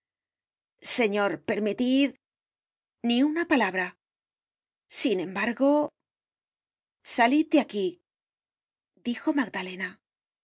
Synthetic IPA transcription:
se̞ɲo̞ɾpe̞ɾmit̪ið | niunapalaβɾa | sinẽ̞mbaɾɣo̞ | saliðd̪eaki | d̪ixo̞maɡd̪ale̞na

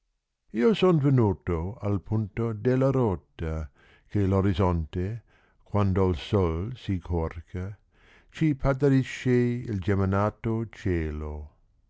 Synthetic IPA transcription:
iːosonvenuːt̪oalpʰunt̪od̪elːaɾot̪ːa | keloɾizɔnt̪e | kwand̪oilsolsikʰorkʰa | t͡ʃipʰat̪aɾiʃːeild͡ʒemanaːt̪ot͡ʃeːlo

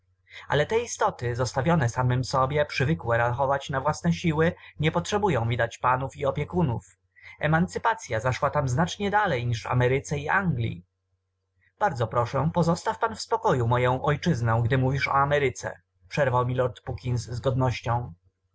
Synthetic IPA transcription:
a̰lɛt̪ɛist̪ɔt̪ɘzɔst̪avʲjɔnɛsamɘmsɔbʲjɛpʂɘvɘkwɛɾaxɔvat͡ɕnavwasnɛɕiwɘɲɛpɔtʂɛbujɔ̃w̃mʲid̪at͡ɕpanufiɔpʲjɛkunṵf | ɛmant̪sɘpat̪sʲjazaʂwat̪amznat͡ʂɲɛd̪alɛjɲiʂa̰mɛɾɘt̪sɛiaŋɡlʲḭ | b̥aɾd̪zɔpɾɔʂɛpɔzɔst̪afpanfspɔkɔjumɔjɔ̃w̃ʔɔjt͡ʂɘznɔ̃w̃ɡd̪ɘmuvʲiʂɔ̰amɛɾɘt̪sɛ̰ | pʂɛɾvawmʲilɔɾt̪pukʲinsːɡɔd̪nɔɕt͡ɕɔ̃w̃

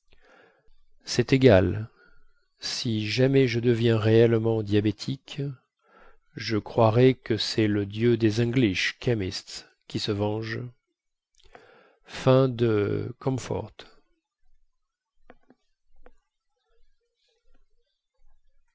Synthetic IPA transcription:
sɛt̪eɡal | siʒamɛʒəd̪əvjɛ̃ʁeɛlmɑ̃d̪jabet̪ʰik | ʒəkχwaʁɛkəsɛləd̪jød̪ezɛ̃ɡliʃkʰʲamist̪ | kʲisəvɑ̃ʒ | fɛ̃d̪ə̰kʰɔ̃mfɔ̰ʁt̪

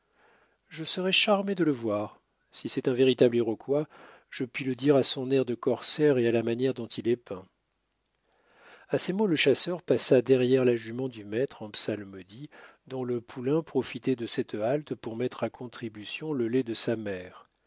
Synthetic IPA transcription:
ʒəsəʁɛʃaʁmed̪ələvwaʁ | sisɛt̪ɛ̃veʁit̪ableʁɔkwa | ʒ̥əpɥiləd̪iʁasɔ̃nɛʁd̪əkɔʁsɛʁealamanjɛʁd̪ɔ̃t̪ʰilɛpɛ̃ | asemoləʃasœʁpasad̪ɛʁjɛʁlaʒymɑ̃d̪ymɛt̪χɑ̃psalmɔd̪id̪ɔ̃ləpʰulɛ̃pχɔfit̪ɛd̪əsɛt̪alt̪puʁmɛt̪χakʰɔ̃t̪χibysjɔ̃ləlɛd̪əsamɛːʁ

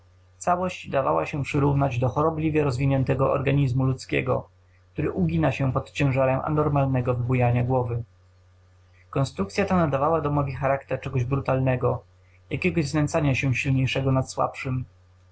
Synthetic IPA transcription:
t̪sawɔɕd͡ʑd̪avawa̰ɕɛpʂɘɾuvnad͡ʑd̪ɔxɔɾɔblʲivʲjɛɾɔzvʲiɲɛnt̪ɛɡɔɔ̰ɾɡaɲizmulut̪skʲɛ̰ɡɔ̰ | k̚t̪uɾɘʔuɡʲinaɕɛpɔt̪t͡ɕɛ̃w̃ʐaɾɛma̰nɔɾmalnɛɡɔvɘbujaɲaɡwɔvɘ | kɔnst̪ɾukt̪sʲjat̪anad̪avawad̪ɔmɔvʲixaɾakt̪ɛɾt͡ʂɛɡɔʑbɾut̪alnɛɡɔ | jakʲɛɡɔʑznɛnt̪saɲaɕɛɕilɲejʂɛɡɔnat̪swa̰pʂɘm

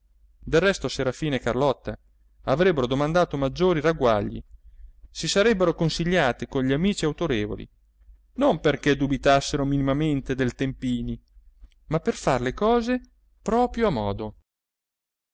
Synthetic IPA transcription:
d̪erːɛst̪oseɾafiːnekarlɔt̪ːa̰ | avɾɛbːeɾod̪omand̪aːt̪omad͡ʒːoːɾiraɡwaʎːḭ | sisaɾɛbːeɾokonsiʎːaːt̪ekonʎiamiːt͡ʃiawt̪oɾeːvo̰lḭ | nomperked̪ubit̪asːeɾominimament̪ed̪elt̪empiːni | mapːerfarlekɔːze | pɾɔːpɾjoamɔːd̪o

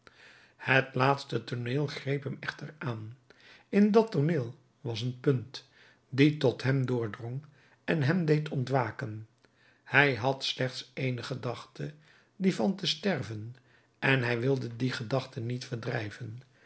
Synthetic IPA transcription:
hətlaːtstətoneːlˠχrejpɦɛmɛχtəraːn | ɪndɑtoneːlˠ | ʋɑsənpɵnt | ditɔtɦɛmdʊːɹdrɔŋ | ɛnɦɛmdejtɔntʋaːkən | hɛjɦɑtslɛχtsejnəχədɑχtʰə | divɑntəstɛrvən | ɛnɦɛjʋɪlˠdədiχədɑχtənitfəɹdrɛjvən

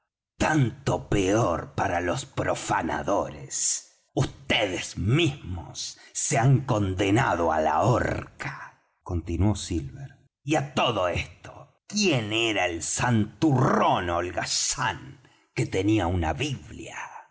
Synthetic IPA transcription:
t̪ant̪opeoɾpaɾalospɾofana̰ðoɾes | ust̪eðezmizmo̰sːeaŋko̞nd̪enaðoa̰la̰oɾkḁ | kont̪inwosilβeɾ | iat̪oðoest̪o̥ | kjeneɾaelsant̪uronolɣasaŋ | ket̪eniaunaβiβlja̰

